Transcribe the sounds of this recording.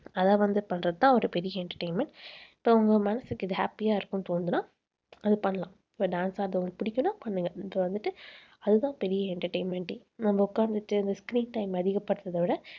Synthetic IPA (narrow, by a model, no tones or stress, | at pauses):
ɐðaːʋɐnd̪ɯpɐɳːɾɐðɯt̪ãːɔɾɯpɛɾɪjɐɛɳʈɐɾʈeɪnmɛ̃ɳʈɪpːoːʊŋɡɐmɐnɐsɯkːɪðɯɦaːpijaːɪɾɯkːɯ̃mt̪oːnd̪ɯnãː | ɐðɯpɐɳːɐlãː | ɪpːoːɖaːnsaːɐɾðɯʊŋɡɐpʊɽɪkʲːʊnːaːpɐɳːɯŋɡɐɐɐʋɐnd̪ɯʈːɯɐðɯt̪ãːpɛɾɪjɐɛɳʈɐɾʈeɪnmɛɳʈi | nɐmːɐʊkːaːɾnd̪ɯʈːɯɐnd̪ɐskɾiːnʈɐɪmɐðɪɣɐpːɐɽɯt̪ːɐðɐʋɪɽɐ